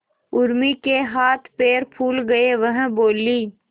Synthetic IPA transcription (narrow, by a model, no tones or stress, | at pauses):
ʊɾmikeɦaːt̪ʰpeːɾpʰuːlɡɐeʋɐɦboːliː